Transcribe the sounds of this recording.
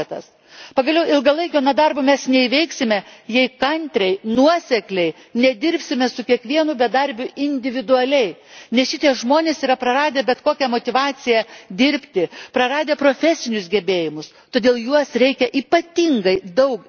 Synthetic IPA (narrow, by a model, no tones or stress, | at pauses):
t̪ɐ̰s | pɐɡɐlʲɛʊɪlˠɡɐlˠɐɪkʲoːnɐd̪ɐrbʊmʲɛsnʲɛiʋʲɛɪksʲɪmʲɛjɛɪkɐnʲt̪ʲɾʲɛɪnuɔsʲɛklʲɛɪ | nʲɛd̪ʲɪɾʲpʲsʲɪmʲɛsʊkʲiɛkʋʲiɛnʊbʲɛd̪ɐɾʲbʲʊɪnʲd̪ʲɪʋʲɪd̪ʊɐlʲɛɪnʲɛsʃʲɪt̪ʲiɛʒmoːnʲeːsiːɾɐpɾɐɾɑːd̪ʲeːbʲɛt̪koːkʲɛmoːt̪ʲɪʋɑːt͡s̪ʲɪjɛd̪ʲɪɾʲpʲt̪ʲɪpɾɐɾɑːd̪ʲeːpɾoːfʲæsʲɪnʲʊsɡʲɛbʲeːjɪmʊs | t̪oːd̪ʲeːlˠjuɔsɾʲɛɪkʲɛʔiːpɐt̪ʲiŋɡɐɪd̪ɐʊk